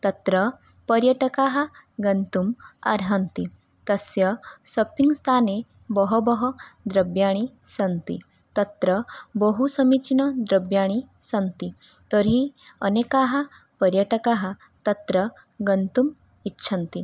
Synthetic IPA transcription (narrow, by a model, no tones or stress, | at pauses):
t̪ɐt̪ɾə | pəɾjəʈɐkaːɦɐɡɐnt̪uma̰ɾɦɐnt̪i | t̪ɐsjɐsɔpiŋɡst̪ʰaːne | bɔɦɔbɔɦɔd̪ɾɐbjaɽ̃i | sɐnt̪ḭ | t̪ɐt̪ɾəbɔɦusəmit͡ʃinɐd̪ɾəbjaːɽ̃isɐnt̪i | t̪əɾiənekaɦɐ | pəɾjəʈɐkaɦa | t̪ɐt̪ɾə | ɡənt̪um | itːʃʰɐnt̪i